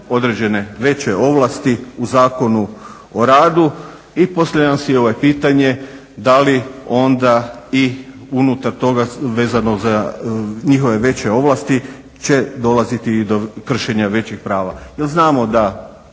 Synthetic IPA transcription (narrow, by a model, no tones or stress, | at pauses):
o̞d̪ɾe̞d͡ʑe̞ne̞ʋe̞t͡ɕe̞o̞ʋlˠast̪iuzaːko̞nu | o̞ɾaːd̪u | ipo̞saamsio̞ʋoepiːt̪aɲe̞ | d̪alio̞nd̪aiunut̪aɾt̪o̞ɡaʋe̞ːzano̞za | ɲixo̞ʋe̞ʋe̞t͡ɕeo̞ʋlˠast̪i | t͡ɕe̞d̪o̞lazit̪id̪okr̩ʃe̞ɲaʋe̞t͡ɕixpɾaːʋajelznaːmo̞d̪a